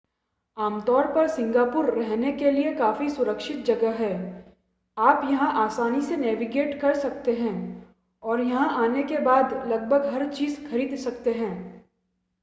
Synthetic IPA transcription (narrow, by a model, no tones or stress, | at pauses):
aːmt̪ɔːɾpɐɾsɪ̃ŋɡaːpʊɾːɛɦnekeliekaːfisʊɾəkʃɪt̪̚d͡ʒɐɡəɦɛː | aːpjɐɦãʔaːsaːnisenɛːʋiɡeːʈkɐɾsɐkt̪eɦɛ̃ː | ɔːɾjɐɦãʔaːnekebaːd̪lɐɡ̚bʱəɡɦɐɾt͡ʃiːzxɐɾiːd̪sɐk̚t̪eɦɛ̃ː